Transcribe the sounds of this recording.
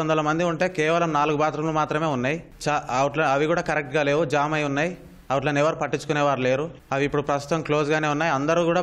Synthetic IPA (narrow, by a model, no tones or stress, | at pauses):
nd̪ɐlɐmɐnd̪iuɳʈe̞ːkɛːʋɐlɐmnaːluɡubaːt̪ɾɐmlumaːt̪ɾɐme̞ːunːaːji | t͡ʃaːɐʋɐʈlɐɐʋikuːɽaːkɐɾek̚ʈɡaːle̞ːʋud͡ʒaːmɐjunːaːji | ɐʋɐʈ̬lɐnɛʋɐɾpɐʈːit͡ʃːu̥kunɛːʋaːɾule̞ːɾu | ɐʋiːpːuɽupɾɐst̪u̥t̪ɐmklo̞ːsɡaːne̞ːunːaːjɐnd̪ɐɾuːkuːɽaː